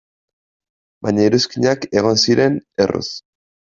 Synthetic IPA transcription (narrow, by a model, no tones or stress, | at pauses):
bajɲaiɾuskiɲake̞ɣ̞o̞nsiɾe̞nerṵs